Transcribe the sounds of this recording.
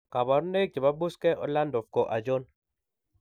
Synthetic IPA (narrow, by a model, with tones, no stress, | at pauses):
ka˨bɔ˨ɾne˦k̚d͡ʒe˨ba˦bu˦skɛ˦ʔɔ̰˦la˦ndɔ˨fko˨ʔa˨d͡ʒo˦n